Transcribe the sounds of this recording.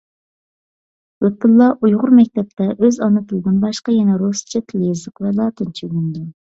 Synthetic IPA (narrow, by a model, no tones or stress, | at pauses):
wøt̪ʰɨlˠːɑʔujʁʊɾmɛk̚ʲt̪ʰɛp̚t̪ʰɛʔøzɑnɨt̪ʰɨlˠɨd̪ɨnbɑʃqɑjɛnɛɾost͡ʃʰɛt̪ʰlezɨqvɛlˠɑːt̪ʰɨnt͡ʃʰyɪŋd̪ʲɛn